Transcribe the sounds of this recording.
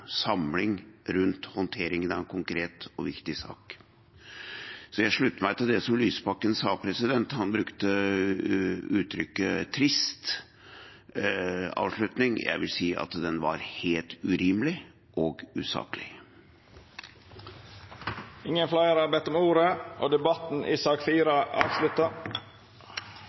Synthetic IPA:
sɑmlɪŋɾʉnt̪hɔnt̪ʰeːɾɪŋənɑʋɛkʰʊŋkɾeːt̪ɔʋɪkt̪ɪsɑ̰ːk | sɔjæɪʂɭʉt̪ːəmæɪt̪ɪld̪ɛsɔmlyːspɑkːənsɑːpʰɾɛsɪd̪ɛnt̪hɑnbɾʉkt̪ə | ʉːt̪ʰɾʏkːət̪ʰɾɪst̪ | ɑ̰ːʋʂɭʉt̪nɪŋjæ̰ɪʋɪlsiːʔɑ̰t̪d̪ɛnʋɑ̰ɾheːlt̪ʉɾiːmlɪ | ʔɔːɡʉːsɑ̰ːkəlɪ | ɪŋːənflɑɪəɾɑɾbɛt̪ːɔmuːɾəʔoːd̪ɛbɑt̪n̩ʔisɑːkfiːɾɑʔɑ̰ːʋslʉt̪ːə

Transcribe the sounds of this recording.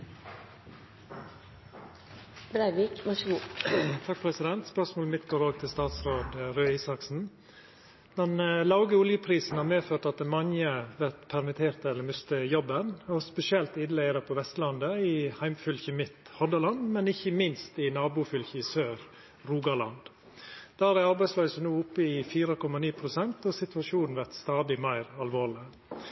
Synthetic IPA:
bɾæɪʋikmɑʃəɡuːt̪ʰɑk̚pʰɾɛsɪd̪ɛnt̪spœʂmoːlmɪt̪ɡoːɾoːɡ̚t̪ʰɪlst̪ɑːt̪sɾoːd̪ɾøːiːsɑksn̩ | d̪̥ɛnlɑʊɡəʊljəpʰɾiːsn̩hɑːɾmeːføːt̪ɑt̪̚d̪ɛmɑŋəʋæɾt̪pʰæɾmɪt̪ʰeːɾt̪əɛlːəɾmʉst̪əjɔbːənɔspɛsɪɛlt̪ɪd̪læɪɾəpʰɔʋɛst̪lɑnd̪əɪhæɪmfʉlçəmɪt̪hɔd̪ɑlɑnd̪mɛnɪçːəmɪnst̪ɪnɑːbʊfʏlçɪsøːɾ | ɾuːɡɑɭɑ̰nd̪ | d̪̥æːɾæɑɾbæɪsløːsənuːʊpːəɪfiːɾəkʰɔmːɑniːpʰɾʊsɛnt̪ɔsɪt̪ʉɑʂuːnn̩ʋæɾt̪st̪ɑːd̪ɪmæɪɾɑlʋoːɭɪ

